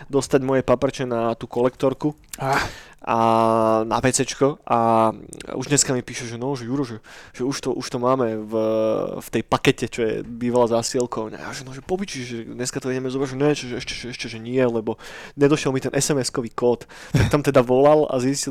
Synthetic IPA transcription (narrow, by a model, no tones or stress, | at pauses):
d̪ɔst̪aɟmɔjɛpapɛɾt͡ʃɛnat̪uːkɔlɛkt̪ɔɾku | aʔana̰pɛt͡sɛt͡ʃkɔʔa | uʒɲɛskamipiːʃɛʒɛnɔʒɛjuɾɔʒɛʒ̥ɛuʃt̪ɔʔuʃt̪ɔmaːmɛvft̪ɛjpakɛcɛt͡ʃɔjɛ̰biːʋalazasiɛlkɔʊɲa̰a̰ʒɛnɔʒɛpɔpit͡ʃiʒɛd̪ɲɛskat̪ɔiɛɟɛmɛzɔbɾaʒɛɲɛt͡ʃɔʒɛɛʃcɛ̥ʒɛɛʃcɛʒɛɲɪɛlɛbɔɲɛd̪ɔʃɪɛlmit̪ɛnʔɛsɛmɛskɔʋiːkɔːt̪ | t̪akt̪amt̪ɛd̪aʋɔlala̰zisci